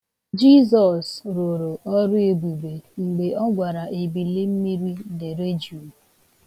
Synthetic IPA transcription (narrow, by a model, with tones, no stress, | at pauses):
d͡ʒi˦zɔ˨sɾo˨ɾo˨ʔɔ˦ɾʊ˦e˨bu˨be˨ŋ͡m̩˨ɡ͡be˨ɔ˦ɡʷa˨ɾa˨ʔe˨bi˨le˦m̩˦mi˦ɾi˦de˨ɾe˦d͡ʒu˨